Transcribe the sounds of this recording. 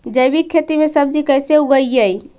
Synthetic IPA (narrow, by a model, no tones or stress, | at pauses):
d͡ʒəjbikʰːet̪imesəb̚d͡ʒikəjseuɡəjəj